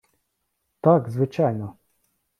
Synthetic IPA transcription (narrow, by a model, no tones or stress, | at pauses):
t̪aɡzʋɪt͡ʃajnɔ